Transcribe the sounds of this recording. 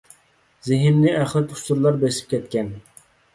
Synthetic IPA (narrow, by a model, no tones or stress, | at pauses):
zɪɦɪmnɪʔæχlˠɪt̪ʰʊ̥st̪uɾlˠɑɾbesɪ̥p̚kʲʰɛt̪kʲɛn